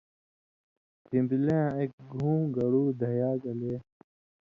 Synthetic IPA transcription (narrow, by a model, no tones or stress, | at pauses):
kĩmbilẽeːk̚ɡʱũːɡɐɽuːd̪ʱɐjaːkɐleː